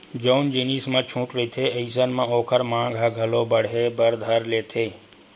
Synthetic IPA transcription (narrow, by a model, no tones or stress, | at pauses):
d͡ʒoːnd͡ʒeːniːsmãːt͡ʃʰũːʈɾəit̪ʰeːɐis̬ənmãoːkʰəɾmãːɡʱaɡʱɐloːbəɽɦeːbəɾd̪ʱəɾleːt̪ʰeː